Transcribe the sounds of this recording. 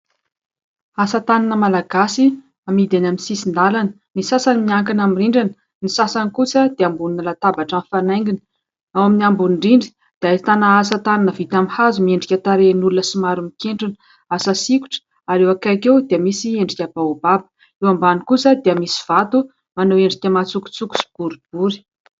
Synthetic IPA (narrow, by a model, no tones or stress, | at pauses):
asət̪aninəmalaɡasi | amid̪enaminsisind̪alanə̥ | nisasanimiaŋkinamiriɳɖ͡ʐanə | nisasanikusəd̪̥eambuninlat̪abaʈ͡ʂanfanajŋɡinə̥ | awaminiambunɳɖ͡ʐiɳɖ͡ʐi̥ | d̪̥eait̪anaasət̪ananəvit̪amihazumieɳɖ͡ʐikʲat̪aɾenulunəsimaɾumikeɳɖ͡ʐini | asasiku̥ʈ͡ʂə̥ | aɾewakajkewd̪̥eəmisieɳɖ͡ʐikʲabaubabə̥ | ewambanikusəd̪eəmisi̥v̥at̪u | manoweɳɖ͡ʐit̪emat͡suku̥t͡suku̥si̥b̥uɾub̥uɾi̥